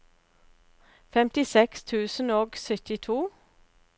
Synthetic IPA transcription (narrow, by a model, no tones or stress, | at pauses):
fɛmt̪ɪsɛkst̪ʰʉːsn̩oːɡsœt̪ɪt̪ʰuː